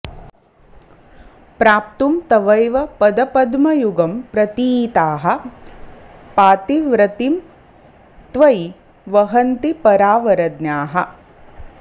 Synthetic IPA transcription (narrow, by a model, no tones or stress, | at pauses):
pɾaːp̚t̪umt̪ɐʋɐjʋɐpɐd̪ɐpɐd̪mɐjuɡɐmpɾɐt̪iːt̪aːɦɐ̆ | paːt̪iʋɾɐt̪im | t̪ʋɐj | ʋɐɦɐnt̪ipɐɾaːʋɐɾɐd̪njaːɦɐ̆